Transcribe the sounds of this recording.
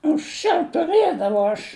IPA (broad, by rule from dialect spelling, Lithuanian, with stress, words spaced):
ɐŋksʲˈt͡ʃʲɛʊ tʊˈrɘdɐʋɐʊ ɐʃ